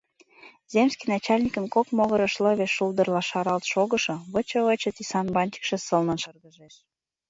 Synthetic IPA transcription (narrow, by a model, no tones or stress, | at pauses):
zʲemskinɑt͡ɕɑlʲnʲikə̆nkokmoɣə̆ɾə̆ʃlɤ̆βeʃuld̪ə̆rlɑʃɑɾɑlt̪ʃoɣə̆ʃɤ̆βət͡ɕə̆βət͡ɕə̆t̪isɑnbɑnʲt͡ɕə̥kʃɤ̆sə̆lnənʃɤrɣəʒeʃ